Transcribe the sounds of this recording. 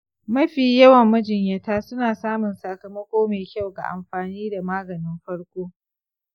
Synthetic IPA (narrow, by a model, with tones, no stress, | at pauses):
mɐ˦ɸiː˨jɐ˦wɐ˨mːɐ˦d͡ʒɪ˨ɲjɐ˦taː˦sʊ˦naː˨saː˦mʊ˨nsɐ˨kɐ˨mɐ˦kʷoː˦meː˨kʲa˦˨wɡa̰˨ʔa̰˨mɸaː˨niː˦da˨maː˦ɡɐ˨nɪ˦mɸɐ˦ɽkʷoː˦